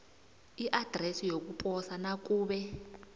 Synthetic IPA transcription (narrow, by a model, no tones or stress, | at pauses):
iʔad̥ʱrɛsijok̬upʼɔsanak̬ʼuːɓɛ